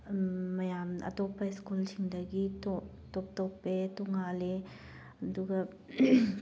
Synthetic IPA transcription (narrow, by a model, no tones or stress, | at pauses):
ɐjamɐ̰tɔpːɐiskulsiŋdɐɡitɔ | tɔp̚tɔpːetɔŋale | ɐduɡɐ